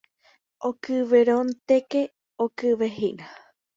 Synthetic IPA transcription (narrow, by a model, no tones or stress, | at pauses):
ʔokɨʋeɾõnt̪eke | okɨʋeɦina